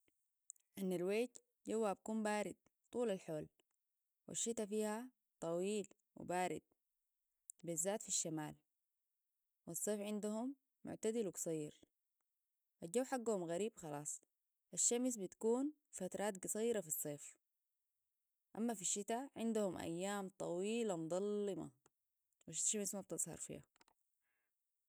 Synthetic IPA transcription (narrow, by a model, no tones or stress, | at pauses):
ʔanːalweːt̪ | d͡ʒɟawːabakuːmbaːɾid̪̚ | t̪ˤuːlalħoːl | wʔḭʃːit̪afiːha | t̪ˤɑwiːl | wḭbaːɾḭd̪̚ | bizːaːt̪fiʃːamaːl | wɑsˤːeːfʕɪnd̪uhumː | ʊ̰ʕt̪ad̪ilwɡsˤɑjːɪɾ | ʔald͡ʒawːħaɡːahumɣaɾiːbxɑlɑːsˤ | ʔaʃːams̬bit̪kuːn | fat̪ɾˤɑːt̪̚ɡsˤɑjːɾɑfisˤːeːf | ʔamːafiʃːit̪aʕɪnd̪uhumʔa̰jːaːmt̪ˤɑwiːlamd̪ˤɑlːɨmɑ̰ | wiʃʃamsmab̚t̪ɨzˤhɑ̰ɾˤfḭːha̰